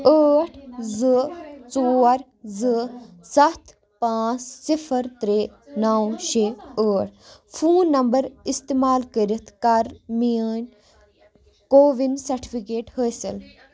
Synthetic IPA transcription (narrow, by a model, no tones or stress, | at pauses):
əːʈʰzɨt͡soːɾ | zɨ | sɐt̪ʰ | pãːt͡ssifʰəɾt̪ɾeːnaːwʃeəːʈ̚ʰfʰuːnːɐmbɐɾist̪emaːlkəɾit̪ʰkɐɾmiːnʲ | koːʋinsɐɾʈʰipʰikeːʈhəsḭl